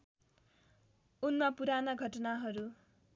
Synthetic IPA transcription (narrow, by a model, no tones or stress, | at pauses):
unmapuɾanʌɡʱʌʈʌnaɦʌɾu